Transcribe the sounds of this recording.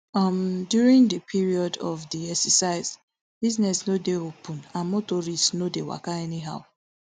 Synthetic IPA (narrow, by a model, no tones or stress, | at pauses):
ɔmdjuɾĩŋdəpʰiɹiɔdɔ̰vdiɛksəsaɪz | b̥iznɛsnodeopʰũnãnmotɔɾistnodewa̰kaɛniɦaʊ